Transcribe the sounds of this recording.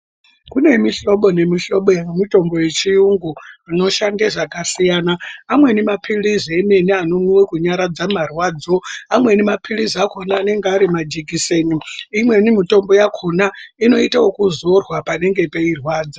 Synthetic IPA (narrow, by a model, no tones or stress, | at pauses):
kune̞miɬo̞ɓo̞ne̞miʃo̞ɓojamito̞mbo̞je̞t͡ʃijuŋɡuano̞ʃandeʐakasijaːnaːmwe̞nimapʰilizieme̞nianonuwekuɲaɾad͡zamarwaːd͡zoamwe̞nimapʰiliziakʰo̞naːne̞ŋɡeaɾimad͡ʒikiseniimwe̞nimito̞mbo̞jakʰonaino̞itawokuzorwapane̞ŋɡe̞pe̞irwaːd͡za